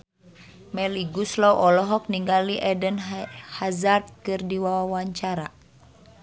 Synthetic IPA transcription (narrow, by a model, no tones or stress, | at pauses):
mɛliɡuslɔwʔɔlɔɦɔk̚niŋɡaliʔɛdənhazard̪̚kɨrdiwawawaɲt͡ʃaɾa̰